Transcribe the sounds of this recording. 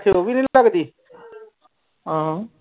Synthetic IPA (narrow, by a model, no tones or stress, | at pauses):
kʰeoːʋiːnĩːləɡd̪iː | ɦãɦã